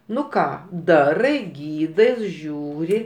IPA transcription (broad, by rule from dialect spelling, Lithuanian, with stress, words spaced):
ˈnʊ ˈkɑː ˈdɑːrɐɪ ˈɡʲiːdɐɪs ˈʒʲuːrʲɪ